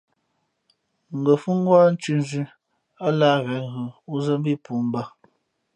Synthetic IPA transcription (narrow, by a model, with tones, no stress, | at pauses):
ŋ̩˨ɡə˨fu˦ŋ˦ɡwa˦n̩˦t͡ʃʉ˦n˦zʉ˦ | a˦laː˦ɣɛ˨˦ŋɣɯ˨u˦zə˦m˦bi˦pu˨˦m˦ba˦